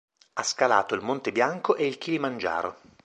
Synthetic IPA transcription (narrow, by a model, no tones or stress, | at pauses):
askala̰ːt̪oilmont̪ebjaŋkoʔeilk̟ʰilimand͡ʒa̰ːɾo